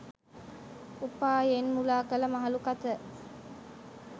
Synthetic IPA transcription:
upaːjenmulaːkələmaɦɐlukat̪ə

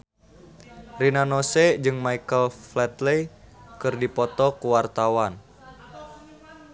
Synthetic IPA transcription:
rinanɔsɛd͡ʒɨŋmaikəlflɛt̪lɛjkɨrdipɔt̪ɔkuwart̪awan

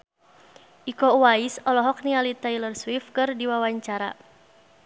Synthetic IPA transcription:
ʔikɔwaisɔlɔɦɔk̚nialit̪ailərswifkɨrdiwawaɲt͡ʃaɾa̰

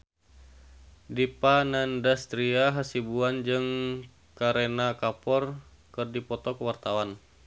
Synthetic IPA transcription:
dipanandast̪ɾiaɦasibuand͡ʒɨŋ | kaɾenakapɔr | kɨrdipɔt̪ɔkəwart̪awan

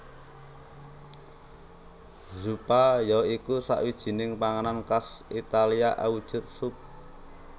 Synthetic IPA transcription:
zupajɔikusa̰ʔwid̥ʒ̥i̤nɪŋpaŋanankasit̪aliaʔa̰wud̥ʒ̥ʊ̤t̪̚sup̚

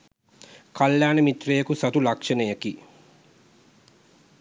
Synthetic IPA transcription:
kɐljaːnəmit̪rejɐkusɐt̪ulɐkʂɐnəjɐki

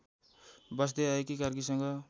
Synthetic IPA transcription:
bʌs̬d̪eaekikarkisʌŋɡʌ

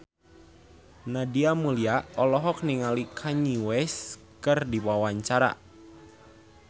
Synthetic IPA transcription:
nadiamuliaʔɔlɔɦɔk̚niŋalikʰaɲiwɛs | kɨrdiwawaɲt͡ʃaɾa̰

